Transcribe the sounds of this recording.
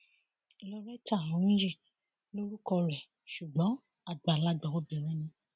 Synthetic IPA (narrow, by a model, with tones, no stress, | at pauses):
i˧lɔ˧ɾɛ˦ta˦˨ɔ̃˨˦nũ˦d͡ʒɛ˦˨ | lo˦ɾu˦kɔ˧ɾɛ˨ | ʃu˨ɡ͡bɔ̃˨˦ | a˨ɡ͡ba˨la˦ɡ͡ba˨wɔ˦bɛ˨ɾ̃ɛ̃˦nĩ˧